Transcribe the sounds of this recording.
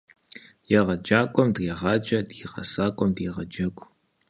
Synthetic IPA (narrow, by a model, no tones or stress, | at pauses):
jɛʁɐd͡ʒaːkʷʼɔmdiʁɑːd͡ʒɐdjiʁɐ̰saːkʷʼɔmdiʁɐd͡ʒɐɡʷʼ